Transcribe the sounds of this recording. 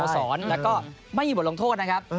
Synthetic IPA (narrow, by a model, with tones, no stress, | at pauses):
sɔː˩˦nlɛː˦˥wkɔː˥˩ma˥˩jmi˧b̚o˧ŋt̪ʰoː˥˩t̪̚na˦˥kʰa˦˥p̚